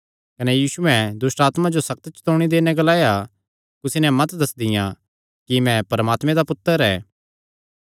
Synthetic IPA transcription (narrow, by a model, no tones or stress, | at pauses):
kɐnɛjiːsuɛ̃d̪ʊsʈaːt̪mãd͡ʒosɐk̚t̪ət͡ʃt̪oːɽ̃id̪eːnɛ̃ɡɐlaːja | kʊsinɛmɐt̪d̪ɐsd̪ɪjã | kimɛ̃pɐɾəmaːt̪mɛ̃d̪apʊt̪ːəɾɛː